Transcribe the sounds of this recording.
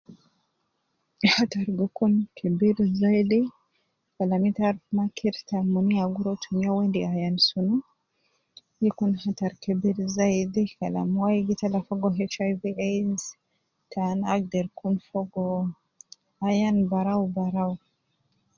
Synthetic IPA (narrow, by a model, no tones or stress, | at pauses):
hataɾɡukunkʰɛbiɾzajd̪i | kalamitaɾmakʰiɾtamuniaɡuɾɔtʰumijawɛndiajansunu | jikunhataɾkɛbiɾzajdikala̰mwajɡitalafɔɡɔɦɛt͡ʃajviaz | tʰanaɡ̚dɛɾkunfɔɡɔ | ajanbaɾawbaɾaw